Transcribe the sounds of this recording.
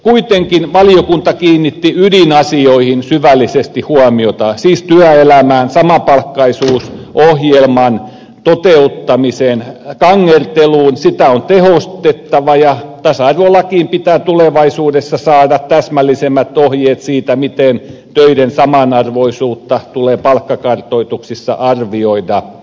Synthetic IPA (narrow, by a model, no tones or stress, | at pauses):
kuit̪eŋkinʋɑlijokunt̪ɑkiːnːit̪ːiydinɑsioihinsyʋælːisest̪ihuɑmiot̪ɑsiːst̪yæelæmæːnsɑmɑpɑlkːɑisuːsʔohjelmɑn | t̪ot̪eut̪ːɑmiseːnkɑŋːert̪eluːnsit̪æont̪ehost̪et̪ːɑʋɑjɑt̪æsɑrʋolːɑkiːmpit̪æːt̪uleʋɑisuːdesːɑsɑːdɑt̪t̪æsmælːisemːæt̪ohjeːt̪siːt̪æmit̪eˑn | t̪øidensɑmɑnɑrʋoisuːt̪ːɑt̪uleːpɑlkːɑkɑrt̪oit̪uksisːɑ̰ʔɑrʋioidɑ